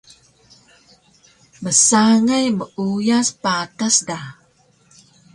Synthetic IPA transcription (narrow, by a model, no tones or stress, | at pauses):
məsaŋajməʔujaspatasda